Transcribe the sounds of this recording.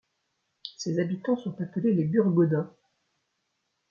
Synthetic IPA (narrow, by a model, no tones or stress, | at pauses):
sezabit̪ɑ̃sɔ̃t̪apəlelebyʁɡɔd̪ã